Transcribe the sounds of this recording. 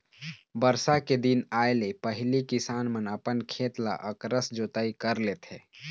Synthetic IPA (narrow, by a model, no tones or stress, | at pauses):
bəɾsaked̪inaːjlepəɦɪlikɪsaːnmənəpənkʰeːt̪la̰ʔəkɾəsd͡ʒoːt̪aikəɾlet̪ʰeː